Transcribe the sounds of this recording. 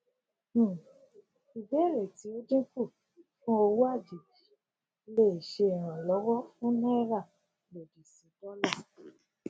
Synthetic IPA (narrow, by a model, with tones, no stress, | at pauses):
i˨bɛ˨˦˨ɾɛ˨ti˨˦o˦d͡ʒĩ˦ku˦˨ | fũ˦o˧wu˦a˦˨d͡ʒi˨d͡ʒi̥˨˦ | le˦˨ʃe˧ɛ˨ɾ̃ã˨lɔ˨˦wɔ˦fũ˦nã˦ɾa˦˨ | lo˨di˨sĩ˨˦dɔ˦la˦˨